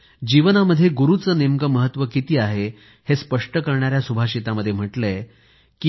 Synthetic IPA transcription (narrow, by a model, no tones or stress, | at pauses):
d͡ʑiʋnaməd̪ʱːjeɡuɾut͡səːnemɡəməɦət̪ːʋəkit̪iːaɦe | hespəʂʈəkəɾɳaɾjasubʱaɕit̪aməd̪ʱjem̤əʈle | ki